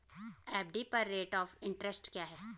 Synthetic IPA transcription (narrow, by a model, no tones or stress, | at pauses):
ɛːp̚ɖipɐɾːeːʈɔːfɪ̃ɳʈɾəsʈkjaːɦɛː